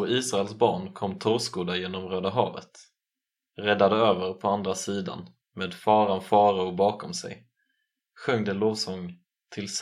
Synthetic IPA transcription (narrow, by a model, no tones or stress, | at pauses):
ɔiːsɾaɛlsbɑːɳkʰɔmːt̪ʰʊɾskuːd̪ajeːnɔmɾøːd̪aɦɑ̰ːvə̰t̪ | ɾɛd̪ad̪əøːvəɾpʰɔand̪ɾasiːd̪a̰n | meːd̪fɑːɾanfɑːɾaʊbɑːkɔmsɛ̰j | ɧœŋd̪əloːvsɔŋ | t̪ʰɪls